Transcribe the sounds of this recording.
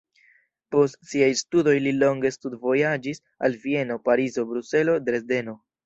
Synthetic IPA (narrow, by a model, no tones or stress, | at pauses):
po̞stsiajstudo̞jlilo̞ŋɡe̞studvo̞jad͡ʒis | a̰lvie̞no̞paɾizo̞bɾuse̞lo̞dɾe̞zde̞no̞